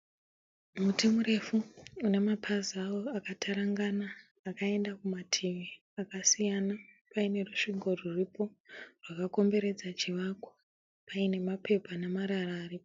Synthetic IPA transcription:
mutimuɾe̞fuune̞mapʰaziawo̞akatʰaɾaŋɡanaː | kae̞ndakumatʰiʋi | akasijanapaine̞ruʂiŋɡo̞ruripo̞rwakako̞mbe̞ɾe̞d͡zat͡ʃiʋakwḁ | paine̞mape̞panamaɾaɾaːripo

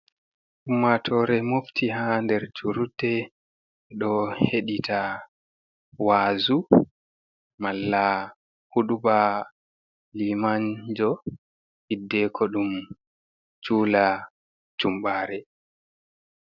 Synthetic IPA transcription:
ʔumːatʰɔɾɛmoftihandɛɾd͡ʒuɾudːɛ | ɗɔheɗitʰa | waːzu | malːa | huɗuba | limand͡ʒɔ | hidːɛkʰɔɗum | t͡ʃuːla | t͡ʃumɓaːɾɛ

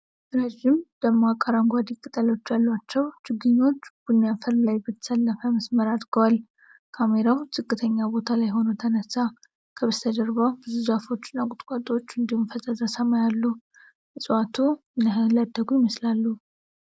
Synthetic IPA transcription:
ɾəʒɪmd̪̥əmːoakʼːəɾaŋɡʷad̪ikʼɨt̪ʼəlo̞t͡ʃːjalːwat͡ʃːɛwt͡ʃɪɡːɨɲːo̞t͡ʃːb̥unːjafɨɾmlajbət̪ʰə̥səlːəfəməsməɾad̪ɡəwal | kʰame̞ɾawt̪ʰɨkʼːɨt̪ʰəɲːabo̞t̪ʰalajɦo̞nut̪ʰənəsa | kʰəβəst̪ʰəd̪əɾβəwbɨzuzafo̞t͡ʃːɪnːakʼʊt̪ʼkʷʼat̪ʼo̞t͡ʃːɨnd̪ihumfəzʼəzəsəmajalːu | ʔɨsʼwat̪ʰunlad̪ːəɡujɪməslalːu

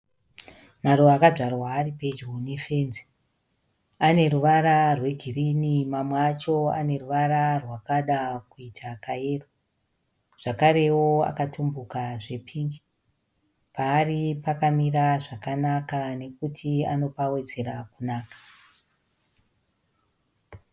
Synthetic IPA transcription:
maɾoakaʐarwaːripe̞d͡ʒonife̞ːnze | ane̞ɾuʋaɾarwe̞ɡʱirinimamweat͡ʃo̞a̰ne̞ruʋaɾarwakaɗakuitʰakaeːro | ʐ̥akaɾe̞wo̞a̰katʰumbukaʐe̞pʰiːŋɡi | paːripakamiraʐakanakane̞kutʰia̰no̞pawe̞d͡ze̞ɾakunaːkḁ

